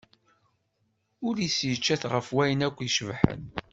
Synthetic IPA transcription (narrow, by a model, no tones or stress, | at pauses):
ʊɾjəsjət͡ʃːæθʁəfwæjənækʷːjʃəvħə̰n